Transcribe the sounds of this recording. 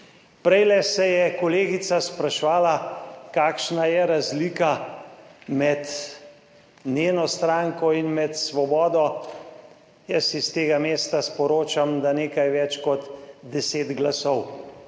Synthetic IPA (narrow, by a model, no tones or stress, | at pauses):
pɾɛjlɛsɛjɛkɔleːɡisaspɾaʃʋaːlakaːkʃnajɛɾazliːka | mɛt̪ | nʲjeːnɔst̪ɾaŋkɔinmɛt̪sʋɔbɔːd̪ɔ | jəsist̪eːɡameːst̪aspɔɾoːt͡ʃamd̪aneːkajʋɛt͡ʃkɔt̪d̪ɛseːd̪ɡlasɔw